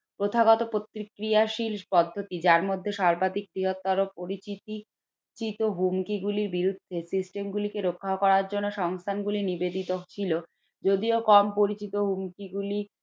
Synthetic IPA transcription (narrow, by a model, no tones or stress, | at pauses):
pɾot̪ʰaɡɔt̪opɾot̪ɾikɾiaʃilpɔd̪ʱːot̪id͡ʑaɾmod̪ʱːeʃaɾbad̪ik̚d̪iɦot̪ːaɾopoɾit͡ɕit̪i | t͡ɕit̪oɦumkiɡuliɾbiɾud̪ʱːesisʈemɡulikeɾokʰːaokɔɾaɾd͡ʑonːoʃɔŋst̪ʰanɡulinibed̪it̪ot͡ɕʰilo | d͡ʑod̪iokɔmpoɾit͡ɕit̪oɦumkiɡuli